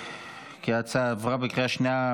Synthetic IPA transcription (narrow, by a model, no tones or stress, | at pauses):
kiat͡savʁabikʁeaʃnea